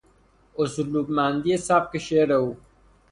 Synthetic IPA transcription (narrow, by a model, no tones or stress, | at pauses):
osuluːkmãːnd̪ijesaːb̚keɕeːɾɐuː